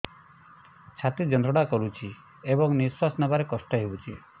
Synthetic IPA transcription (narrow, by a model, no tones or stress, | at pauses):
t͡ʃʰat̪id͡ʒɔnd̪ɾɔɽakɔɾut͡ʃʰi | ebɔŋniswasnɔbaɾekɔsʈɔɦeut͡ʃʰi